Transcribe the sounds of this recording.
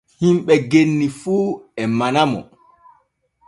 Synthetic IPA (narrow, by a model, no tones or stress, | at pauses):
himɓɛɡenːifuːɛmanamɔ̰